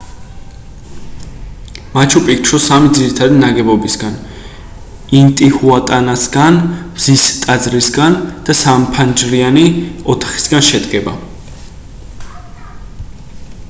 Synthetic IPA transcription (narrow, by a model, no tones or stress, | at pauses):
mat͡ʃʰupʼik̚t͡ʃʰɾɔsamid̪ziɾit̪ʰad̪inaɡɛbɔbisɡan | int̪ʼihuat̪ʼanasɡanbz̥ist̪ʼad̪zɾisɡand̪̥asampʰand͡ʒɾianiɔt̪ʰḁχi̥sɡanʃɛd̪ɡɛba